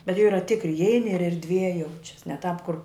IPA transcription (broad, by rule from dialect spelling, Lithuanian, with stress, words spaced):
bʲɛt jɛʊ ˈiːrɐ ˈtʲɪkrʲɪ ɪˈɛɪnʲɪ ɪr ɛrʲdʲˈʋʲiɛ ˈjɛʊt͡ʃʲɛs nʲɛ tɑːp kʊr